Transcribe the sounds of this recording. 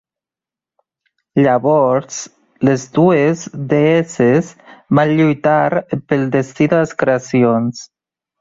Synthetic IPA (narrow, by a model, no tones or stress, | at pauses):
ʎaβɔɾz | lezd̪uezd̪eesezβanʎujt̪aɾpelˠd̪est̪iðaðeskɾeasjons